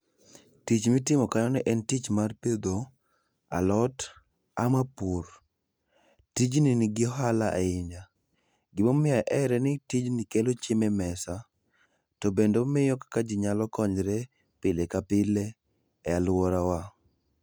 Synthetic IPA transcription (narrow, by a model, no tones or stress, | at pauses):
tit͡ʃmɪtɪmɔkaɲɔnɛʔɛntit͡ʃmarped̪o | a̰lɔt | amapur | tid͡ʒninɪɡɪɦalaʔaɪɲa | ɡɪmomɪaʔɛɾɛnɪtid͡ʒnikelot͡ʃɪmɛmɛsa | tɔbendomɪjɔkakad͡ʒɪɲalɔkɔɲɾe | pɪlekapɪle | ɛalwɔɾawa